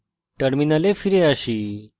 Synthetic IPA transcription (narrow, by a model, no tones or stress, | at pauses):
ʈəɾminəlefiɾeaɕiː